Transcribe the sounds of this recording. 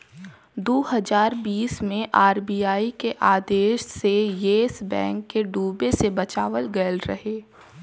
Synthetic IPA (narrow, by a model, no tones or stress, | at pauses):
d̪oːɦɐzaːɾbiːsmẽʔaːɾbiːaːikeʔaːd̪eːʃsejeːsbɛ̰̃ːŋkːeɖuːbesebɐt͡ʃaːʋəlɡɐəlɾɐɦeː